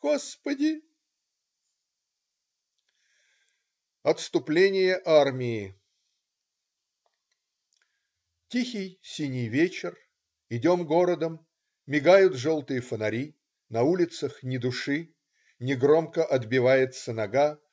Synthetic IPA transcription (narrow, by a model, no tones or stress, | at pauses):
ɡ̥ospədʲɪ | ɐt̪st̪ʊplʲenʲɪjəʔarmʲɪjɪ | tʲixʲɪjsʲinʲɪjvʲet͡ɕɪr | ɪdʲo̞mɡo̞ɾəd̪əmːʲ | ɪɡajʊt̪ʐolˠt̪ɨjəfənɐɾʲi | nɐulʲɪt̪səxnʲɪd̪ʊʂɨ | nʲɪɡro̞mkəʔɐd̪bʲɪvajɪt̪sənɐɡa